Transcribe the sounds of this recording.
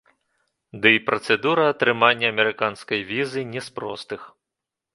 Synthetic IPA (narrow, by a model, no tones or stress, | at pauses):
d̪ɨipɾɐt̪sɛd̪uɾɐːt̪ɾɨmanʲːɐɐmʲɛɾɨkanskɐjvʲizɨnʲɛspɾɔ̰st̪ɨx